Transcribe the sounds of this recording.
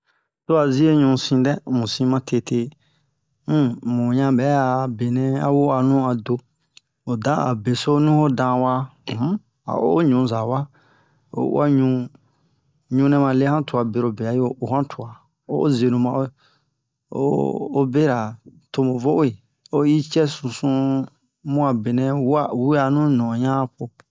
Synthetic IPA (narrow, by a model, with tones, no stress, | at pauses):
to˦a˨zi˦e˦ɲũ˧sĩ˧dɛ˦mũ˨sĩ˧mã˧tʰe˧tʰe˧˦ | mũ˨ɲã˧bɛ˨˦a˨be˨nɛ̃˦a̰˦wo˦a˨nũ˦a˨do˧ | o˨dã˦a̰˨be˨so˦nũ˦ho˦dã˧wã˦˨˦ | a̰˨ʔo˦o˦ɲũ˨˦za˨wa˦ | o̰˨˦a̰˦ɲũ˧ | ɲũ˧˦nɛ̃˦mã˧le˦hã˦tu˨a˨be˨ɾo˨be˨a˨˦jo˦˨o˨hã˦tʰu˨a˨ | o̰˦ze˨nũ˨mã˨o˦ | o̰˦o˦be˦ɾa˨to˧mõ˨vo˦ʔo˦i˨ | o˦ji˦t͡ʃɛ˦sũ˨sũ˧ | mũ˦a˨be˨nɛ̃˧wa˦wi˦a˧nũ˦nɔ̃˨ɲã˦po˧